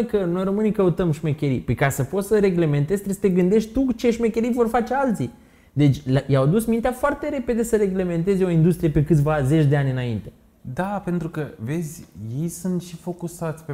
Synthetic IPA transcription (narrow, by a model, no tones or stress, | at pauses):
kəno̞jro̞mɨnikəut̪əmʃmekʲeɾḭpikasəpo̞t̪səɾe̞ɡle̞me̞nt̪e̞z̥ʲt̪ɾesə̥t̪e̞ɡɨnd̪e̞ʃt̪t̪ut͡ʃe̞ʃmekʲe̞ɾivo̞rfat͡ʃe̞alt̪si | d̪e̞t͡ʃʲjawad̪usmint̪eafoart̪e̞ɾe̞pe̞d̪e̞səɾe̞ɡle̞me̞nt̪̬e̞zeo̞ind̪ust̪ɾije̞pekɨt̪̬ʲvaze̞t͡ʃʲd̪e̞anʲɨnaint̪e̞ | d̪ape̞nt̪ɾukəve̞d̪zʲje̞jsunt̪ʃifo̞kusat̪sʲpe